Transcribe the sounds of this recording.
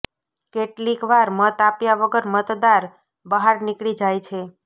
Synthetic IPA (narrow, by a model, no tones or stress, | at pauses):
keʈlikʋaɾmət̪apjaʋəɡəɾmət̪d̪aɾ | bəɦaɾnikɭid͡ʒajt͡ʃʰe